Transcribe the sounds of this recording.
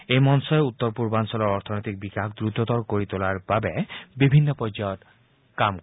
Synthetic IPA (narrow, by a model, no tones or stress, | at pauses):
emɔnsɔeut̪ːoɾpuɾbansɔlɔɾɔɾt̪ʰonojt̪ik̚bikakʰd̪ɾud̪ʱːot̪ɔɾkoɾit̪olaɾbabebibʱinːopɔd͡ʑaot̪ | kam